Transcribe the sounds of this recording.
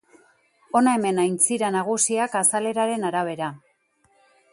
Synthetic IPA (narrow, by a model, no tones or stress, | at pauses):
o̞nae̞me̞najnt͡siɾanaɣ̞usiakasale̞ɾaɾe̞naɾaβ̞e̞ɾa